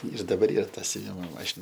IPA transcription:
ɪr dɐˈbɐr ˈiːr ˈtɐ sʲʊˈʋʲɪmoː ˈmɑːʃʲɪnɐ

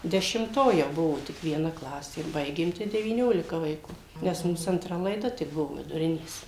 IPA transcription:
dʲɛʃʲɪmˈtoː jɛʊ ˈbʊʋoː tʲɪk ʋʲiɛˈnɐ ˈklˠɑːsʲeː ˈbɐɪɡʲeːm tɐɪ dʲɛʋʲiːˈnʲoːlʲɪkɐ ʋɐɪˈkuː nʲɛs ˈmuːs ɐntˈrɐ lˠɐɪˈdɐ tʲɪk ˈbʊʋoː ʋʲɪdʊˈrʲɪnʲeːs

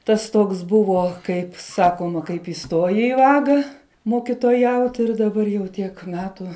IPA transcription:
ˈtɐs ˈtoːks ˈbʊʋoː kɐɪp ˈsɑːkoːmɐ kɐɪp ɪˈstoːjɛɪ ɪ ˈʋɑːɡɐ moːkʲɪtoːˈjɛʊt ɪr dɐˈbɐr jɛʊ ˈtʲiɛk ˈmʲæːtʊ

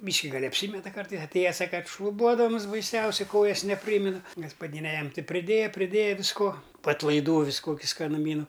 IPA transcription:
ˈbʲiːʃʲkʲɪ ɡɐlʲ ɐpʲˈsʲiːmʲɛtɐ ˈkɐrtɐɪs ɐtʲˈeːjɛ ˈsɑːkɐ ˈkɐt ʃlˠʊˈbuɔdɐms bɐɪˈsʲɛʊsʲɛɪ ˈkoːjɛs nʲɛˈpʲrʲiːmʲɪnɐ ɡɐspɐˈdʲiːnʲɛ ˈjɛm ˈtʲɪ pʲrʲɪˈdʲeːjɛ pʲrʲɪˈdʲeːjɛ ʋʲɪsˈkoː poː ɐtlˠɐɪˈduː ˈʋʲɪs ˈkoːkʲɪ skɐnʊˈmʲiːnʊ

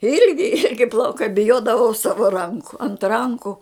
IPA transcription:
ˈɪlʲɡʲɪ ˈɪlʲɡʲɪ plˠɐʊˈkɐɪ bʲɪˈjoːdɐʋɐʊ ˈsɑːʋɐ ˈrɐŋkʊ ɐnt ˈrɐŋkʊ

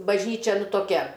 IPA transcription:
bɐʒʲˈnʲiːt͡ʃʲɛ ˈnʊ toːˈkʲɛ

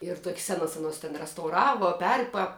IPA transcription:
ɪr toːkʲs ˈsʲæːnɐs ɐˈnoːs tʲɛn rʲɛstɐʊˈrɑːʋoː ˈpʲɛrpɐ

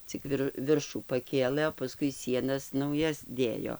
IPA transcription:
t͡sʲɪk ˈʋʲɪr ˈʋʲɪrʃuː pɐˈkʲeːlˠɘ oː pɐˈskʊɪ ˈsʲiɛnɐs nɐʊˈjɛs ˈdʲeːjoː

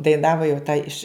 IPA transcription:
dɐɪˈnɑːʋoː jɛʊ tɐ ɪʃ

